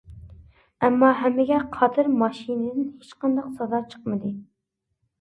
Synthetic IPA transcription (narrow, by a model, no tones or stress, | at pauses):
ɛmːɑɦɛmːɪɡʲɛqʰɑt̪ʰɨɾmɑʃinɨd̪ɪnhet͡ʃqɑnd̪ɑqsɑzɑɾt͡ʃʰə̥qmɨd̪ɨ